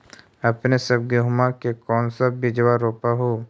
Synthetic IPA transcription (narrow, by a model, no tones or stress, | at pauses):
ɐpnesɐb̚ɡeɦʊmakekɔːnsabːɪd͡ʒwaɾoːpaɦoː